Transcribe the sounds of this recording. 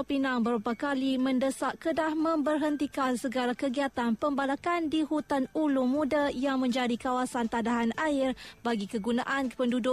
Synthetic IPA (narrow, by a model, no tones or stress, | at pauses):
pinaŋbəɾupakalimə̃ndəsaʔkədahmə̃mbərɦənt̪ikansəɡalakəɡiat̪anpəmbalakandihut̪anulumũdajaŋmə̃ɲd͡ʒadikawasant̪andaɦanaɪrbaɡikəɡunaʔanpəndudʊ